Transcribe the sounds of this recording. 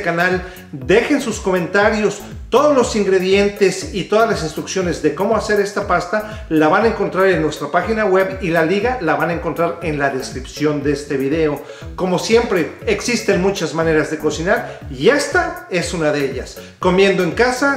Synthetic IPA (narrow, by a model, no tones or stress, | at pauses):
kanal | d̪e̞xe̞nsusko̞mẽ̞nt̪aɾjo̞s | t̪o̞ðozlo̞siŋɡɾe̞ðje̞nt̪e̞sit̪oðazlasinst̪ɾuksjo̞ne̞zðe̞ko̞mo̞ase̞ɾe̞st̪apast̪a | laβanaeŋko̞nt̪ɾaɾe̞nːwest̪ɾapaxinaɣwe̞βilaliɣalaβanaeŋko̞nt̪ɾaɾe̞nlaðe̞skɾipsjo̞nd̪eest̪e̞βiðe̞o̞ | ko̞mo̞sje̞mpɾe̞eksist̪e̞nmut͡ʃazmãne̞ɾazðe̞ko̞sinaɾie̞st̪ae̞sunaðeeʎas | ko̞mje̞nd̪o̞e̞ŋkasa